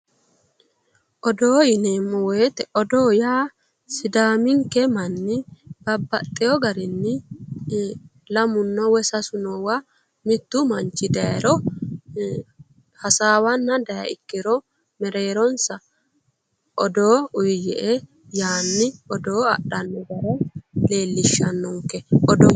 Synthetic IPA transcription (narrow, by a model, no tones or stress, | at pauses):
ʔɔd̪oːjɪneːmːɔwɔt̪ɛʔɔd̪oːjaː | sɪd̪aːmɪŋkɛmɐnːɪb̥ɐbːɐt̪ʼːɪjɔɡɐɾɪnːɪ | lɐmʊnːɔwɛsɐsʊnɔwa | mɪt̪ːʊmɐnt͡ʃːɪd̪ɐɾɔ | hɐsaːwɐnːɐd̪ɐjɐ̰ɪ̰kːɪɾɔ | mɛɾeːɾɔnsɐ | ʔɔd̪oːʊjjɛʔɛ | jaːnːɪɔd̪oːɐ̰ɗɐnːɔɡɐɾɛle̞ːlːɪʃːɐnːɔŋkːɛɔd̪ɔ